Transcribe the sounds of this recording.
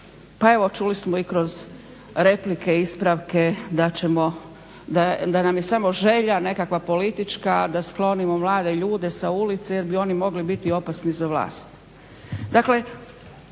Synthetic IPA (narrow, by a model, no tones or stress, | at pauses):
pae̞ʋo̞t͡ʃulismo̞ikɾo̞z | ɾe̞plike̞ispɾaʋke̞d̪at͡ɕemo̞ | d̪ad̪anamje̞samo̞ʒe̞ʎane̞kakʋapo̞lit̪it͡ʃkad̪asklˠo̞nimo̞mlˠaːd̪e̞ʎuːd̪e̞saulit̪seje̞ɾbio̞nimo̞ɡlibit̪io̞pasnizaʋla̰ːst̪ | d̪akle̞